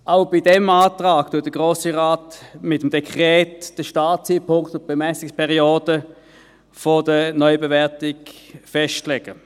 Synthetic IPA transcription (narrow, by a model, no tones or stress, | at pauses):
ʔaʊb̥idɛmaːtʁaːktʊːt̚d̥əɡ̥ʁoːsiʁaːtmɪtːəmd̥ekʁɛːtd̥əʃtaːtt͡siːpʰʊŋktʊtb̥emɛsɪkspɛʁioːdə | fodənɔʏbevɛɐtɪɡfɛʃtlɛɡ̥ə